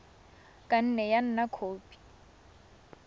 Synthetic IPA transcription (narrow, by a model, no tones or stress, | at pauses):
kʼan̩nɛjan̩nakʰoːpʼi̥